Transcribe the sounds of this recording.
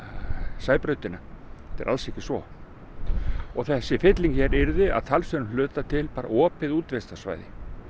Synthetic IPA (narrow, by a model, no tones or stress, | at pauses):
saːjpɾœɥt̪ɪnaɛt̪ɛ̰ɾʔa̰lsɛhcɪsvɔ | ɔɣθɛsːɪfɪt̪liŋçɛɾɪɾðɪa̰ðt̪ʰalsœnlœːt̪at̪ʰɪlpaːɾa̰ɔːpɪðuːt̪vɛst̪asva̰ːjðɪ̰